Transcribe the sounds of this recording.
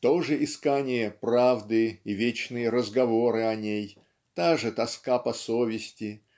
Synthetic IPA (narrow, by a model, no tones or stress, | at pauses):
t̪o̞ʐɨʔɪskanʲɪjəpravd̪ɨivʲet͡ɕnɨjəɾəzɡɐvoɾɨɐnʲej | t̪aʐɨt̪ɐskapɐsovʲɪsʲtʲɪ